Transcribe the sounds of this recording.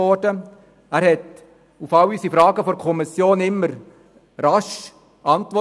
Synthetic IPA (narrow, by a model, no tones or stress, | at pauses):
ɔdə | æːɾhɛt | ufɑlysifɾɑːɡəfɔɾkʰɔmisjoːnɪmːəɾ | ɾɑʃ | ʔɑnt̪ʋɔ